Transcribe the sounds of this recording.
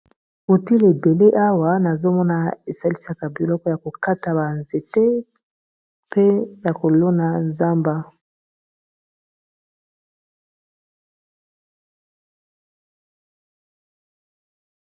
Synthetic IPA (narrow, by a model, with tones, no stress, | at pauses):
u˨ti˦le˨be˨le˦ʔa˦wa˦na˨zo˦mɔ˦na˨e˨sa˦li˦sa˦ka˨bi˨lɔ˦kɔ˦ja˨ko˨ka˦ta˨ba˨nze˨te˦ | pe˦ja˨ko˨lo˦na˨nza˦mba˦